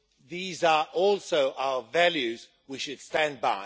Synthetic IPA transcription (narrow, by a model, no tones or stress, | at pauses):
ðiːzə˞ʔɔlˠsoʊʔaʊəvælˠjʉz | wiʃɨd̥stæ̃nbaɪ